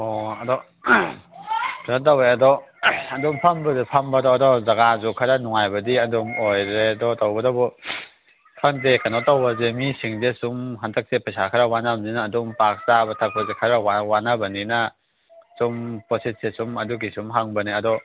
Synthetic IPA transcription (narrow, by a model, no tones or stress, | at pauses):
ɔɐdɔ | kʰanat̬aweɐdɔɐdumpʰambɐzepʰambadɔːdɔzaɡazukʰaɾanuŋajbɐdiɐdumojɾedɔtawbɐdɔbɔ | pʰandekanɔtawbɐzemisiŋzesumɦantʰɐk̚sepɐsakʰaɾawanabninaːdumpak̚zabɐtʰak̚pɐzekʰaɾawawanabɐninɐ | sumposit̚sesumɐduɡisumɦaŋbɐniɐdɔ